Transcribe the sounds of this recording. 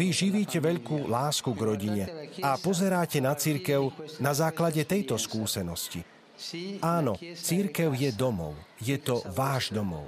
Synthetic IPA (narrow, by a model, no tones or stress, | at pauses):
ʋiʒiʋiːcɛʋɛʎkuːlaːskuɡɾɔɟiɲɛapɔzɛɾaːcɛnat͡siɾkɛʊnazaːklaɟɛt̪ɛjt̪ɔskuːsɛnɔscḭ | aːnɔt͡siɾkɛʊjɛd̪ɔmɔ̰ʊjɛt̪ɔʋaːʒd̪ɔmɔ̰ʊ